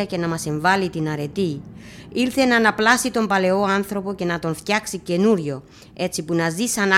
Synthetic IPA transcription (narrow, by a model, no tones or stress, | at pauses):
ɐce̞nɐmɐse̞ɱvɐlit̪inɐɾe̞t̪iiɾθe̞nɐnɐplɐsit̪o̞mpɐle̞o̞anθɾo̞po̞ce̞nɐt̪o̞nft̪çɐksice̞nuɾʝo̞ | e̞t͡sipunɐzisɐn